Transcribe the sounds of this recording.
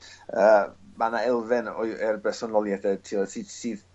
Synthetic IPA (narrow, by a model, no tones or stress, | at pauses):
əːmanaɛlˠvɪnɔjɛrbɛsɔnɔlˠjɛdɛtʰiɔd̥siːd̥siːð